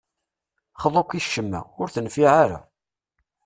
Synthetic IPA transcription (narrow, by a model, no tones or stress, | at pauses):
χəðˤokʷːiʃːəmːæ̰ʊɾθənfiʕaɾa̰